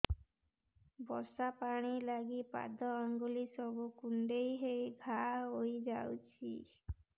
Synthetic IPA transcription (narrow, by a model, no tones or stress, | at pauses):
bɔɾsapaɽ̃ilaɡipa̰d̪ʱɔaŋɡolisɔbukuɳɖejɦejbʱaojd͡ʒawt͡ʃʰi